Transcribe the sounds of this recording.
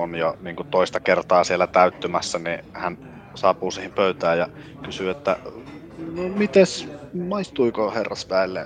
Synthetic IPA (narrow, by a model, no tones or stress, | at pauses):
onjoniːŋkut̪oˑist̪ɑkert̪ɑːsielːæt̪æyt̪ːymæsːænihæn | sɑːpuːsiːhimpøyt̪æːjjɑ | kysyːet̪ːæ̰ | nomit̪esmɑist̪uikoherːɑ̰sʋæˑelːḛ